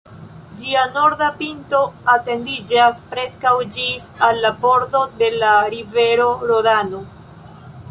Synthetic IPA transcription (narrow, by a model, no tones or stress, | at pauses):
d͡ʒiano̞ɾdapinto̞ate̞ndid͡ʒaspɾe̞skawd͡ʒisalːabo̞ɾdo̞de̞laɾive̞ɾo̞ɾoɾano̞